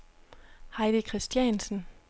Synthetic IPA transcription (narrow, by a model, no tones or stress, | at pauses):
hɑ̈ɪd̥əkʰʁisd̥jɛnsn̩